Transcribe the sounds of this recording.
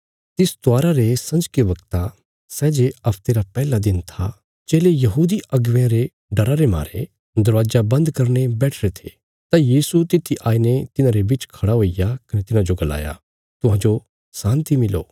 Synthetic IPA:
t̪ɪst̪ʊaːɾaɾesɐ̃nd͡ʒkebɐɡt̪a | sɛːd͡ʒeɐpʰt̪eːɾapɛːlad̪ɪnt̪ʰa | d͡ʒeːlejɐɦuːd̪iɐɡʋãɾe | ɖɐɾaɾema̰ːɾḛ | d̪ɐɾʋaːd͡ʒabɐ̃nd̪kɐɾnebɛːʈʰɾet̪ʰḛː | t̪ajiːsut̪ɪt̪ʰːiʔaːinet̪ɪnãɾebɪt͡ʃkʰɐɽaɦoːijakɐnet̪ɪnãd͡ʒoɡɐla̰ːja̰ | t̪ʊɦãːd͡ʒo | sãːnt̪imɪlo̰ː

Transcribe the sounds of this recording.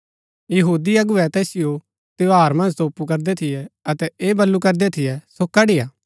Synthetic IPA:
jɐɦuːd̪iɐɡʊɛt̪ɛːsɪjo | t̪eoɦaːɾmɐ̃nd͡ʒt̪oːpukɐɾd̪ɛt̪ʰɪjɛɐt̪ɛeːbɐlːukɐɾd̪ɛt̪ʰɪjɛsoːkːaɖɪjaː

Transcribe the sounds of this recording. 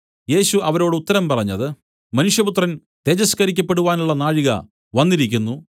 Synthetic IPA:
je̞ːɕuʔɐʋɐɾo̞ːɽɨut̪ːɐɾɐmpɐrɐɲːɐðɨ | mɐnuʂjɐput̪rɐn | t̪e̞ːd͡ʑɐskɐɾikʲːɐpːe̞ɽuʋaːnuɭːɐnaːɻiɣɐ̰ | ʋɐnːiɾikʲːunːu

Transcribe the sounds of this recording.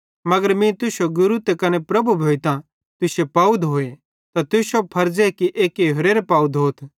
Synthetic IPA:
mɐɡəɾmĩt̪ʊsoɡʊɾut̪ekɐnepɾɐbubʱoːit̪ã | t̪ʊsepaːud̪ɦoːe | t̪at̪ʊsopʰɐɾd͡ʒekiʔeːkiɦoɾeːɾepaːud̪ɦoːt̪ʰ

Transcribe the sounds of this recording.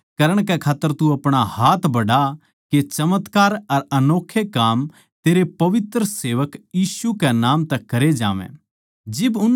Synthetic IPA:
kɐɾəɽ̃kɛkʰaːt̪ːəɾt̪ũɐpɽ̃ahaːt̪ʰbɐɽa | ket͡ʃɐmət̪kaːɾɐɾɐnoːkʰːekaːm | t̪eːɾepɐʋɪt̪ɾəseːʋəkjiːsukɛnãːmt̪ɐkːɐɾed͡ʒa̰ːʋɛ̰̃ː | d͡ʒɪbʊn

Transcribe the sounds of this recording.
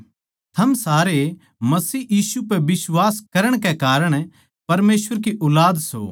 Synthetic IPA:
t̪ʰɐmsaːɾe | mɐsiːjiːsupɛbɪswaːskɐɾəɽ̃kekaːɾəɽ̃ | pɐɾmeːsʋəɾkiʔʊlaːd̪so̰

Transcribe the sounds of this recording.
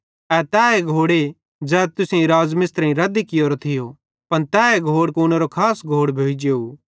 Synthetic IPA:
ɛt̪ɛːeɡʱoːɽe | d͡ʒɛːt̪ʊsẽĩɾaːzmɪst̪ɾɐ̃ĩɾɐd̪ikɪjoɾot̪ʰɪjo | pɐnt̪ɛːeɡʱoːɽkoːnɛɾokʰaːsɡʱoːɽbʱoːid͡ʒeːo

